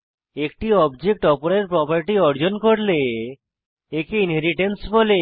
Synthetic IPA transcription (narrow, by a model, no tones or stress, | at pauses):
ekʈiɔbd͡ʒek̚ʈɔpoɾeɾpɾɔpaɾʈiɔɾd͡ʒonkoɾle | ekeinɦeɾiʈensbole